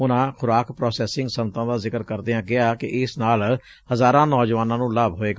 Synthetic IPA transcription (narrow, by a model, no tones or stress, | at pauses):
ʊnãːxʰʊɾaːkpɾɔːsɛːsɪ̃ŋɡsənt̪ãːd̪aːzɪkəɾkəɾd̪eãːɡɪaːkɪ̰ʔɪsnaːl | həzaːɾãːnɔːd͡ʒʋaːnãːnũːlaːbɦoːeː